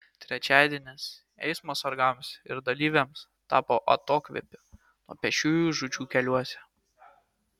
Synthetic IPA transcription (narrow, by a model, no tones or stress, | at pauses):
t̪ʲɾʲɛt͡ʃʲæˑːd̪ʲiɛnʲes | ɛ̰ɪsmoːsɐɾɡɐˑmsɪ̰ɾd̪ɐlʲiːʋʲɛms | t̪ɑːpoʔɐ̰t̪oːkʋʲɛ̰pʲɪ | nuɔpʲɛʃʲuːjuːʒʊt͡ʃʲuːkʲɛlʲuɔsʲɛ